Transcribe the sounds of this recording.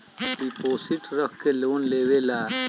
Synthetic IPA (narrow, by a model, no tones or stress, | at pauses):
ɖipoːsiʈɾəkʰkeloːnleːʋelaː